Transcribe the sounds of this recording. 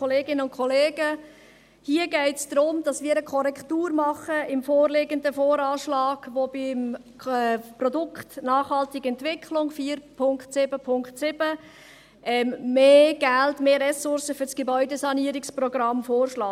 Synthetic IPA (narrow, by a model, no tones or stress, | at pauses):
oleːɡɪnəʊnkʰɔleːɡə | hiːəɡɛɪtsd̥ɾʊmd̥ɑsmiːɾəkʰɔɾɛktuːɾmɑχəɪmfoːɾleɡəndəfoːɾɑːʃlɑːɡ̥ʋob̥ɪm | ɛprɔdʊkχtnɑːχhɑltɪɡɛntʋɪkχlʊŋfiːɾpʰʊŋkχtsɪbəpʰʊŋkχtsɪb̥ə | ʔɛmːeːɡ̥æltmeːɾɛsʊɾsəfʏɾsɡ̥ebœʏdəsɑniːɾɪksprɔɡɾɑmfoːrʃlɑː